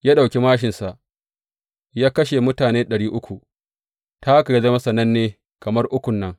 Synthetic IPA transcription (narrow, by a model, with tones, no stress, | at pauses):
jaː˦ɗa˨kʲe˦maː˦ʃ̬ɪ˨nsa˨ʔ | jaː˦kɐ˦ʃe˨mʊ˦taː˨neː˦ɗɐ˨ɽiː˦ʔʊ˦kʷu˨ | ta˦ka˨ji˦zɐ˦mɐ˦sɐ˨nɐ˦nːeː˦ | kɐ˨mɐ˦rʔʊ˦kʷʊ˨nːɐ˦ŋ